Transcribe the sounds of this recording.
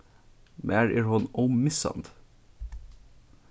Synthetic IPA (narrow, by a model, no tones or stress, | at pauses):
mʔæːɹʔɪːɹhɔnoːmɪsɑ̰nd̪̥